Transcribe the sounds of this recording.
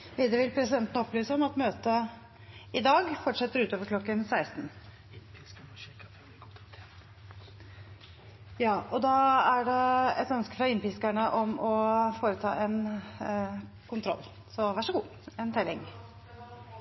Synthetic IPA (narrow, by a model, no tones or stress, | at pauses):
ʋiːd̪əʋɪlpʰɾɛsɪd̪ɛnt̪ənəɔplyːsəɔmɑt̪møːt̪ə | ɪd̪ɑːɡfɔʈʂɛt̪ːəɾʉːt̪oːʋəɾkʰlɔkːənsæɪst̪n̩ | jɑːɔd̪ɑæɖɛɛt̪œnskə̥fɾɑɪnpiːskæɳəʔɔmɔfoːɾət̪ʰɑ̰ːʔɛn | kʰʊnt̪ʰɾɔ̰lː | sɔʋæʂəɡuː | ɛnt̪ʰɛlɪŋ